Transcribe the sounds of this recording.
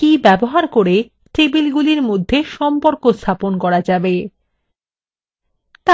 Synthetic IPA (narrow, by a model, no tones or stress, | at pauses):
ibɛboɦaɾkoɾe | ʈebilɡuliɾmod̪ʱːeʃɔmpoɾkost̪ʰaponkɔɾad͡ʑabe | t̪a